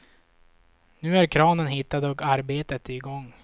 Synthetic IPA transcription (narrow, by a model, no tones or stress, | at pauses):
nʉ̟ːæɾkʰɾɑːnənɦɪt̪ːad̪ɔkaɾbeːt̪ət̪ɪɡɔŋː